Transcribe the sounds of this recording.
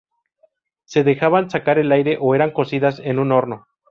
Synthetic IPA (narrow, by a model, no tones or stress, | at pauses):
se̞ðe̞xaβansakaɾe̞lajɾe̞ʔoe̞ɾaŋko̞siðasenũno̞ɾno̞